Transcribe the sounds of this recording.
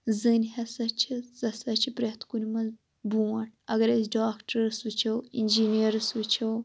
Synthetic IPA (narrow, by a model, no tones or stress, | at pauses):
zɨnʲhɐsɐt͡ʃʰizɐsɐt͡ʃʰipɾɐt̪ʰkunʲmɐz | buːɐʈ̚ʰɐɡɐɾɐsɖaːkʈɐɾɨsʋɨt͡ʃʰɐwinʲd͡ʒiːniɐɾɨsʋɨt͡ʃʰɐw